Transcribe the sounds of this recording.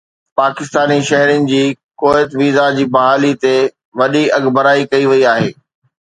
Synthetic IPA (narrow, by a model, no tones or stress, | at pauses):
paːkɪst̪aːniʃɐɦɾɪnɪ̆d͡ʑiː | koːɪt̪ʋiːzad͡ʑiːbɐɦaːlit̪e | ʋɐɗiɐɠbəɾaːikɐiʋɐiaːɦeː